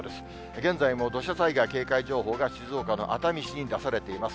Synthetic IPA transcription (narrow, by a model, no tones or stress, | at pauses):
d̪esɨ̥ | ɡẽ̞nd͡zaimo̞d̪o̞ɕasaiɡaike̞ːkaiʑo̞ːɦo̞ːɡaɕizo̞ːkano̞̰ʔa̰t̪amʲiɕiɲʲĩd̪asaɾe̞t̪e̞imasɨ̥